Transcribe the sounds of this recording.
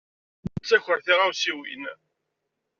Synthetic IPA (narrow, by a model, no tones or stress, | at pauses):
t͡sːæçəɾθiʁawsiwḭn